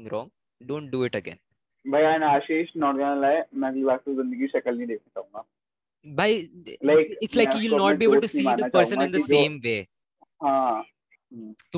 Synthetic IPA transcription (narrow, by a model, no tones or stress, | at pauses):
ŋɾɔ̃ŋ | ɖõːɳʈ̚ɖuɪʈəɡḛ̃n | bʱajanaaʃeʃnɔɾdanəlaemɛ̃ɡlibaɡt̪ud͡zɪ̃nd̪əɡiːʃɛkəlnĩːd̪ek̚ʰnet̪aũŋɡa | bajlajkɪʈslajkjulnɔʈ̚biebəlɭʈusiːd̪əapəɾsə̃nɪ̃nd̪əsẽːmʋe | ɦã | t̪u